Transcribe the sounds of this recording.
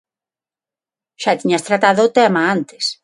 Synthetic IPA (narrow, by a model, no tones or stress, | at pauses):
ʃat̪iɲast̪ɾat̪aðʊt̪ɛmaant̪ɪ̥s